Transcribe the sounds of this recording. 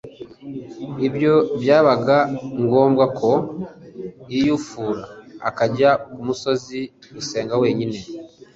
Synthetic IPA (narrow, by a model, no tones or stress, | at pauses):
ibjo̞bjaːβaɡaŋɡo̞ːmbɡakʰo̞ | ijufuːɾaːkaɟakumuso̞ziɾuse̞ːŋɡawe̞ːɲine̞